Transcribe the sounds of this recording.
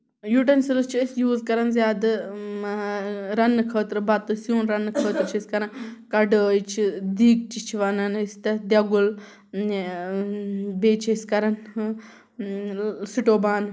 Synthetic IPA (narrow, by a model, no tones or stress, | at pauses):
juːʈɐnsilɐst͡ʃʰisjuːzkɐɾɐnzjaːd̪ɐ | ɾɐnːɨkʰəːt̪ɾɨbɐt̪ɨsjuːnɾɐnːɨkʰəːt̪ɾt͡ʃʰisʲkɐɾɐnkɐɖəːjt͡ʃʰid̪iːk̚t͡ʃit͡ʃʰiʋɐnɐnist̪ɐd̪jɐɡul | beːt͡ʃʰiskɐɾɐn | siʈoːbaːn